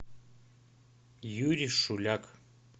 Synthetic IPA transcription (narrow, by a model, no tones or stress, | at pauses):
juɾʲiʂulʲak